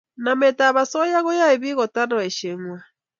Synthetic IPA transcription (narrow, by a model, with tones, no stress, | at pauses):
na˨mɛ˨ta˨βa˨sɔ˦ja˦ɣɔ˦ja˦e˨βi˦ɣɔ˨ta˦ɾɔ˨ɛ˨ʃe˨ŋwa˨